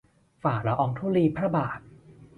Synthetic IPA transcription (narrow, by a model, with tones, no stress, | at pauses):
faː˨˩ɾa˧ʔɔː˧ŋt̪ʰuː˥˩liː˧pʰɾa˦˥baː˨˩t̪̚